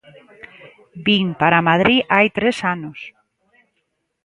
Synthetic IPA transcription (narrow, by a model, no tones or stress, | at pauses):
biŋpaɾamaðɾiʔajt̪ɾesanos